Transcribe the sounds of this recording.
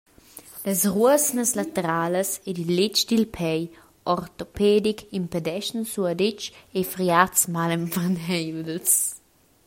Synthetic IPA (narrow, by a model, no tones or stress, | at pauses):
ləsruəsnəslat̪eɾaːləsedilːet͡ʃd̪ilpʰɛj | ɔrt̪opɛdikʰimpedɛʃnsuədɪt͡ʃefɾiatsmaləmfanɛjds